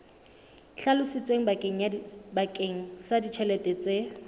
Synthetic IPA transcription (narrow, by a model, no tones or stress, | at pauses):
ɬalʊsɪt͡sʼweŋ̩bakʼeŋ̩bakʼeŋ̩sadit͡ʃʰɛlɛtʼɛt͡sʼe